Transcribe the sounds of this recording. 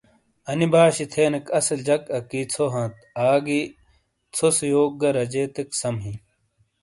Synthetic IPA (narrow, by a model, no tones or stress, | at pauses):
ɐnibʱaːɕit̪ʰeːnɐkɐsɐld͡ʑɐkɐkiːt͡sʰoɦɐ̃ːt̪aːɡi | t͡sʰosijoːk̚ɡɐɾɐd͡ʑeːt̪eksɐmɦĩ